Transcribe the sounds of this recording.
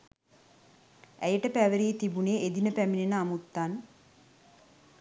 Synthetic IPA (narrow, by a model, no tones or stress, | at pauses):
æjəʈəpæʋəɾiːt̪ibuneʔed̪inəpæminenəamut̪ːan